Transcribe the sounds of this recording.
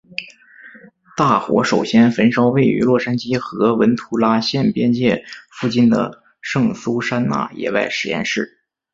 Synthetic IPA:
t̪a˥˩xwɔ̰˧˥ʂo˨˩ʊɕjɛ˥nfə˧˥nʂɑ˥ʊwe˥˩ɪy̰˧˥lwɔ˥˩ʂa˥nt͡ɕi˥xɤ˧˥wə˧˥nt̪ʰu˧˥la˥ɕjɛ˥˩npjɛ˥nt͡ɕjɛ˥˩fu˥˩t͡ɕi˥˩nd̪ə̰˩ | ʂɤ˥˩ŋsu˥ʂa˥nna̰˥˩jɛ̰˨˩wa̰˥˩ɪʂɻ̩˨˩jɛ̰˥˧nʂɻ̩˥˩

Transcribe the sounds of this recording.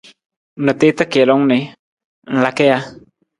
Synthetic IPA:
nə˨t̪e˦t̪ə˦ke˨lɔ˦ŋnɪ˨ | n̩˨la˨ke˦ja˦

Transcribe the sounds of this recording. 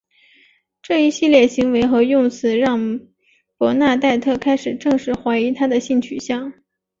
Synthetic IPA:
ʈ͡ʂɤ˥˩i˧˥ɕi˥˧ljɛ˥˩ɕi˧˥ŋwe˧˥ɪxɤ˧˥jʊ˥˩ŋt͡sʰɹ̩˧˥˦ɻɑ˥˩ŋ | pwɔ˧˥na˥˧t̪a˥˧ɪt̪ʰɤ˥˩kʰa˥ɪʂɻ̩˨˩ʈ͡ʂɤ˥˧ŋʂɻ̩˥˩xwa˧˥ɪi˧˥t̪ʰa˥d̪ə˨ɕi˥˩nt͡ɕʰy˨˩ɕjɑ˥˩ŋ

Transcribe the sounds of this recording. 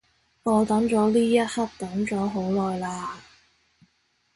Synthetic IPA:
ŋɔː˨˧t̪ɐ˨˥ŋt͡ʃɔː˨˥liː˥jɐ˥t̚hɐ˥t̚t̪ɐ˨˥ŋt͡sɔː˨˥ɦo˨˥wlɔː˨jlaː˧

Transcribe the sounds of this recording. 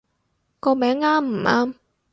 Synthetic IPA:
kɔː˧mɛː˨˥ŋːaː˥mm̩˨˩ʔaː˥m

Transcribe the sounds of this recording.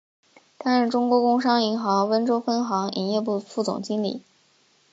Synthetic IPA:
t̪a˥ɻə˥˩ʈ͡ʂʊ˥ŋkwɔ˧˥kʊ˥ŋʂɑ˥ŋi˧˥ŋxɑ˧˥ŋwə˥nʈ͡ʂo˥ʊfə˥nxɑ˧˥ŋḭ˨˩njɛ˥˧p̬u˥˩fu˥˩t͡sʊ̰˨˩ŋt͡ɕi˥nlḭ˨˩˦

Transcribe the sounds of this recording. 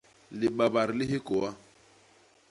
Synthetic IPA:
lɪ˨ɓa˨ba˨ɾɪ˨lɪ˦ɦɪ˦kɔ˨a˦

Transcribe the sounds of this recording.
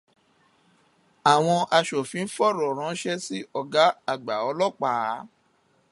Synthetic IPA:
a˨w̃ɔ̃˧ʔa˧ʃo˨fĩ˨˦n̩˦fɔ˦˨ɾɔ˨ɾ̃ã˨˦ʃɛ˦si˦ɔ˦˨ɡa˨˦a˦˨ɡ͡ba˨ɔ˧˦lɔ˦˨k͡pa˨˦

